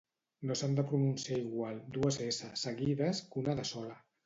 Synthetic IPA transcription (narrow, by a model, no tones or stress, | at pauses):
nosand̪əpɾununsiaiɣwalˠd̪uəzesəsəɣiðəskunəðəsɔlə